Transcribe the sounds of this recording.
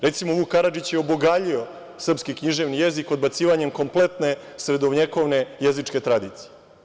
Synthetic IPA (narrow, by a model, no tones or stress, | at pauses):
ɾe̞t̪simoʋukaɾad͡ʒit͡ɕjeoboɡaʎio̞ | sr̩pskikɲiʒe̞ʋnije̞zikod̪bat̪siːʋaɲe̞mko̞mple̞t̪ne̞ | sɾe̞d̪oʋɲeko̞ʋne̞jezit͡ʂke̞t̪ɾad̪iːt̪si̥je